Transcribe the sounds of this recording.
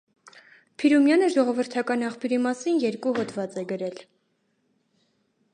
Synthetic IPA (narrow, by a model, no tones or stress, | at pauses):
pʰiɾumjɑnəʒɔʁɔvəɾt̪ʰɑkɑnɑχpʰjuɾimɑsinjɛɾkuɦɔt̪vɑt͡sɛɡəɾɛl